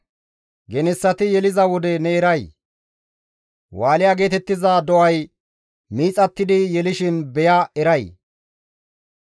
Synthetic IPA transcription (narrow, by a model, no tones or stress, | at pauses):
ɡɛnɛsːɐt̪ɪjɛlɪzɐwɔd̪ɛnɛːɾɐj | waːlɪjaːɡe̞ːt̪ɛt̪ːɪzad̪ɔʔɐj | miːt͡sʼɐt̪ːɪd̪ɪjɛlɪʃɪnbɛjaɛɾɐj